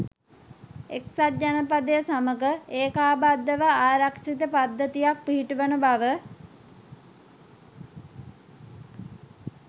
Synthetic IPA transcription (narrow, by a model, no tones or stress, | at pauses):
eksat̪̚d͡ʒanəpad̪əjəsaməɡəeːkaːbad̪ːəʋəaːɾakʂit̪əpad̪ːət̪ijak̚piɦiʈuʋənəbaʋə